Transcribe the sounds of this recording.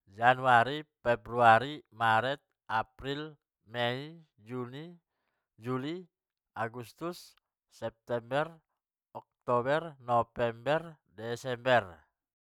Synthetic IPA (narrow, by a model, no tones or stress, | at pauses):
d͡ʒanuaɾipɛbɾuaɾimaɾɛt̪̚ | ʔapɾil | mɛi | d͡ʒuni | d͡ʒuli | aɡust̪usː | ɛp̚t̪ɛmbɛr | ɔk̚t̪ɔbɛrnɔfɛmbɛr | dɛsɛmbɛr